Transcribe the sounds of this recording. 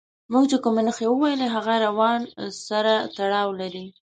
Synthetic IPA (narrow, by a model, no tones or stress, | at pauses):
muɡt͡ʃekumenəxewəwajəleɦaɣaɾawɑnsaɾat̪aɽɑwlaɾi